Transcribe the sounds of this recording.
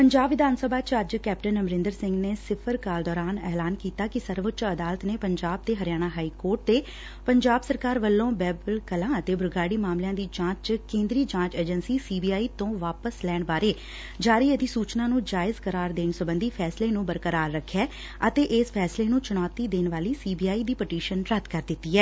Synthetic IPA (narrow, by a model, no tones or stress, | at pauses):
pəɲd͡ʒaːbʋɪd̪aːnsəbaːt͡ʃəd͡ʒkɛːpʈənəmɾɪ̃nd̪əɾsɪŋɡneːsɪpʰəɾkaːld̪ɔːɾaːnɛːlaːnkiːt̪aːkɪsəɾʋət͡ʃəd̪aːlət̪neːpəɲd͡ʒaːb̚t̪eːɦəɾɪjaːñaːɦaːiːkoːɾʈ̚t̪eː | pəɲd͡ʒaːbsəɾkaːɾʋəlːõːbɛːbəlkəlãːət̪eːbʊɾɡaːɽiːmaːmlɪjãːd̪iːd͡ʒãːt͡ʃt͡ʃkẽːnd̪ɾiːd͡ʒãːt͡ʃeːd͡ʒənsiːsiːbiːaːiːt̪õːʋaːpəslɛːɳbaːɾeː | d͡ʒaːɾiːəd̪iːsuːt͡ʃnaːnũːd͡ʒaːɪzkəɾaːɾd̪eːnsʊbənd̪iːpʰɛːsleːnũːbəɾkəɾaːɾːəkʰːɛː | ət̪eːʔɪspʰɛːsleːnũːt͡ʃʊnɔːt̪iːd̪eːnʋaːliːsiːbiːaːiːd̪iːpəʈiːʃənɾət̪kəɾd̪ɪt̪ːiːɦɛː